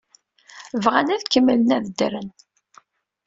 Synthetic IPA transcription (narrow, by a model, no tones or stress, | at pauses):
vʁænæðkəmːələnæðəd̪ɾən